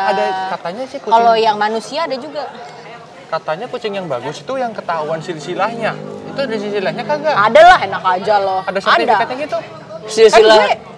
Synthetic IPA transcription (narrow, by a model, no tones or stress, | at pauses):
adakat̪aɲasɪhkukalojaŋmanusiaːdad͡ʒuɡa | kat̪aɲakut͡ʃɪŋjaŋbaɡʊsi̥t̪ujaŋkət̪aɦuansilsilahɲait̪udis̬isilahɲakaɡaadalaɦenakad͡ʒalɔhadasaat̪idaakat̪ɲaɡit̪u | silsaila